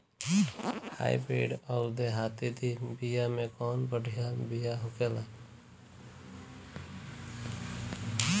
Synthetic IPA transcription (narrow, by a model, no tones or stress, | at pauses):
ha̰ːḭbɾḛːɖɔʊd̪eɦaːt̪id̪ibijamẽkɔːnbəɖʱijabijaɦʊkelaː